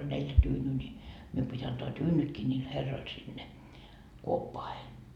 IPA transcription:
olʲ neljæ tyːnyː nʲi mium pitʲ ɑntoɑ tyːnytkiː nʲiːl herːoil sinːe kuopːoɑhe

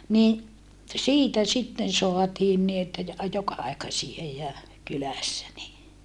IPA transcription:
ni siːtæ sitːen soɑtiːn ni etːæ jɑ jokɑɑikɑsie jɑ kylæsːæ ni

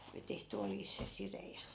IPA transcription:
oli tehty oljis se sire jɑ

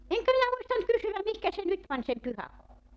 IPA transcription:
eŋkæ minæ muistɑnt kysywæm mihkæ se nyt pɑnʲ sem pyhækoulu

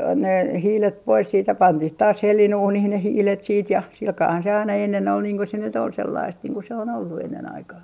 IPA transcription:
ne hiːlet pois siːt jɑ pɑntih tɑːs helːinuːnih ne hiːlet siːt jɑ silkɑːhɑn se ɑinɑ enːen ol niːŋ ko se nyt ol selːɑist niːŋ ku se on olːu enːen ɑikɑː

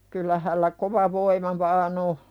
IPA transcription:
kylːæ hælːæ koʋɑ ʋoimɑ ʋɑːn o

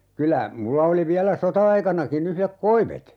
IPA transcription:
kylæ mulːɑ oli ʋiælæ sotɑɑikɑnɑkin yhlek koiʋet

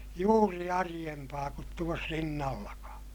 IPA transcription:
juːri ɑrij̆empɑː kut tuos rinːɑlːɑkɑː

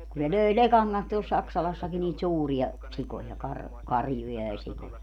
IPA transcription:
kun ne løi lekɑŋ kɑns tuol sɑksɑlɑsːɑki niːt suːriɑ sikojɑ kɑr kɑrjujɑ jɑ sikojɑ

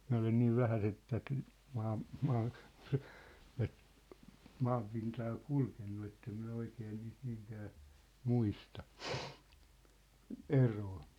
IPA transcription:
min̞̆æ olen niːʋ ʋæhæset̆ tæt mɑːm mɑː tæt mɑːmpintɑː kulkenːu etːem minæ oikeː niːst niːŋkæː muistɑ eroː

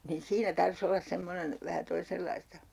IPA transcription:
nin siːnæ tɑrs olːɑs semːonen ʋæhæ toiselːɑistɑ

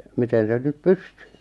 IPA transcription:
miten sen nyp pysty

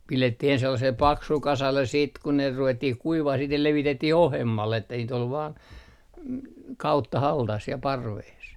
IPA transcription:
piletːih ens selːɑsel pɑksul kɑsɑlːes siːt ku ne ruʋetːih kuiʋɑh siːt ne leʋitetːih ohemːɑlː etːæ niːt ol ʋɑːn kɑutːɑhɑltɑs siɛ pɑrʋeːs

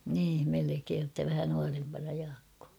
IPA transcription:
niːm melekeːn tːæ ʋæhæ nuɑrempɑnɑ jɑːkːoː

